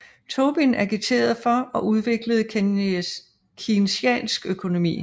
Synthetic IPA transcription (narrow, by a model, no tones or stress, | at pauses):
t͡sʰo̝b̥inæɐɡ̥it͡sʰe̝̰ːɐð̞ˠfɒ̽ɒ̽ʔuð̞ˠʋe̝ɡ̥ləð̞̩ˠ | kʰinsɛ̰ːnsɡ̥økʰo̝no̝mḭː